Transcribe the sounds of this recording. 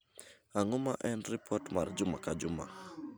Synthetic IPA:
aŋʊmaʔɛnɾipʰɔtma̰rd͡ʒʊmakad͡ʒʊma̰

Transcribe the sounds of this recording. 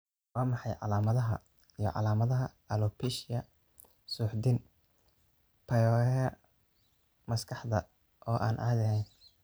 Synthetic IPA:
waːmɑħɑjʕɑ̰laːmɐðɐɦɐ̰ | ijɞ̰ʕɑ̰laːmɐðɐɦɐ | ɐlɔpʰiʃɐ | suːħd̪in | pʰɐjɔːɛ | mɐskʰɑħd̪ɐ | ʔɔːʔa̰ːnʔɐ̰ɐd̪ɐɦɛjn

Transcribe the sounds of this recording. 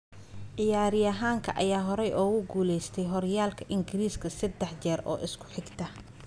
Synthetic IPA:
ʕɪjaːɾɪjɐɦaːŋkʰɐ̰ʔɐjaːɦɔɾɛjʔɔːɣʊɡuːlɛjst̪ʰɛjɦɔɾjaːlkʰɐʔɪŋɡɪɾiːskʰɐsɐd̪ɛħt͡ʃɛːɾʔɔ̰ːʔɪskʰʊ̥ħɪɡt̪ʰɐ

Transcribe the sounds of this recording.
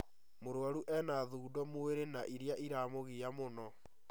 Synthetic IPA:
moɾwaɾuʔɛnaðuːdɔmoeɾenaʔiɾjaʔiɾamoɣiamonɔ

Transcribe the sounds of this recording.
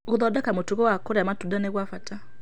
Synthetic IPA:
ɣoðɔdakamotuɣowakoɾeamatudaneɣwafata

